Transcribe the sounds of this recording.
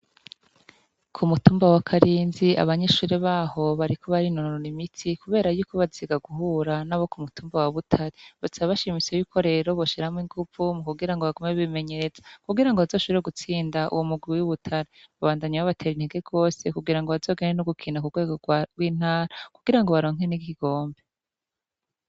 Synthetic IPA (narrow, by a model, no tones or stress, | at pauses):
kʰumutuːmbawakʰaɾiːnzia̰βaɲe̞ʃuːɾeβaːho̞βaɾikʰo̞βaɾinonoɾonimitʰikuβeːɾajuːko̞βaziɡaɡuɦuːɾanaβo̞kumutuːmbawaβutʰaɾeβasaβaβaʃimit͡sejukʰo̞ɾe̞ɾo̞βoʃiɾahamwiŋɡuvumukuɡiɾaŋɡoβaɡomeβime̞ɲe̞ɾezḁkuɡiɾaŋɡoazoːʃuɾeɡut͡siːndaʔṵwomuɡwiwuβutʰaɾe | βaβaːndaɲawaβatʰe̞ːɾin̥heɡe̞ɡo̞ːse̞kuɡiɾaŋɡoβazo̞ːɡenenoɡukʰinakuɡweɡoɡ̥wiːn̥haːɾakuɡiɾaŋɡo̞βaɾo̞ːŋenikiiɡ̥o̞ːmbe̞